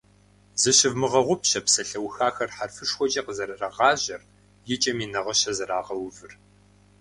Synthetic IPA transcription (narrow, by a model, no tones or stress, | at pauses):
zɨɕɪvmɨʁɐʁʷʊpɕɐpsɐɬɐwxaːxɐrħarfɨʂxʷɔt͡ʃʼɐqəzɐɾɐrɐʁɑːʑɐr | jɪt͡ʃʼɐmiːnɐʁɐɕɐzɐɾaːʁɐwʊvɨr